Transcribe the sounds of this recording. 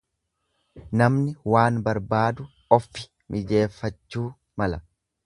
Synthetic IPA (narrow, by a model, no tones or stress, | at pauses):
nɐmnɪwaːnbɐɾbaːd̪ʊ | ɔfːɪ̥ | mʔɪd͡ʒe̞ːfːɐt͡ʃːuː | mɐlɐ